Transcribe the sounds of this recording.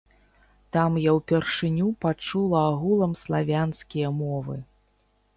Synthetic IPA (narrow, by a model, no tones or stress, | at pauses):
t̪amjawpʲɛrʂɨnʲupat͡ʂulˠɐaɣulˠɐmslˠavʲanskʲijɐmɔvɨ̰